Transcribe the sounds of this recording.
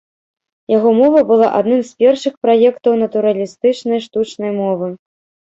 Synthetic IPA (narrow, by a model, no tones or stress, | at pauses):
jaɣɔmɔvɐbɨlˠaʔa̰d̪nɨmspʲɛrʂɨxpɾajɛkt̪ɐwnɐt̪uɾɐlʲist̪ɨt͡ʂnɐjʂt̪ut͡ʂnɐjmɔvɨ